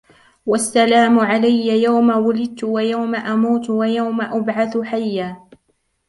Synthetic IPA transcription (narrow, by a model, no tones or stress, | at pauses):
wasːalaːmʊʕalajːajawmawʊlɪd̪̚t̪ʊwajawmaʔamuːt̪wajawmaʔabʕaθħajːaː